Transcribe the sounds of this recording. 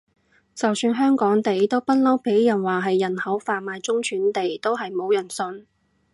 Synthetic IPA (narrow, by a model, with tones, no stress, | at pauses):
t͡sɐ˨wsyː˧nɦœː˥ŋkɔː˨˥ŋt̪e˨jt̪o˥wpɐ˥t̚lɐ˥wpʰe˨˥jjɐ˨˩nwaː˨˩ɦɐ˨jːɐ˨˩nhɐ˨˥wfaː˨maː˨˧jt͡sʊ˥ŋt͡ʃʰyː˨˥nt̪e˨jt̪o˥wɦɐ˨jmo˨˧wjɐ˨˩nsɵ˧n